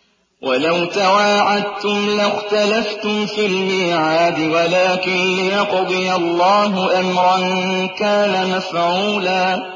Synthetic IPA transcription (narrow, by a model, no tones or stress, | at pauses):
wʔalawt̪awaːʕad̪̚t̪ʊmlaxt̪alaft̪ʊmfilmiːʕaːd̪ɪwalaːkɪnlɪjɑqʊd̪ˤɨjalˤːɑːɦʊʔamɾˤɑnkaːnamafʕuːlaː